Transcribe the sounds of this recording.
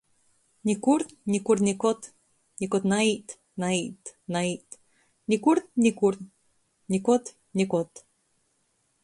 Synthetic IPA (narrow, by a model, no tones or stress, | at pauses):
nʲikuɾt̪nʲikuɾt̪nʲikɔt̪ | nikɔt̪nait̪ | nait̪nait̪ | nʲikuɾt̪̚nʲikuɾt̪ | nʲikɔt̪ | nikot̪